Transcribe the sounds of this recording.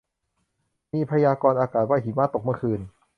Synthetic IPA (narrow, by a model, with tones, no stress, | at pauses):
miː˧pʰa˧jaː˧kɔː˧nʔaː˧kaː˨˩t̪̚wa˧˥˩jɦiː˨˩˦maː˧˥˩t̪o˨˩k̚mɯ˥˩əkʰɯː˧n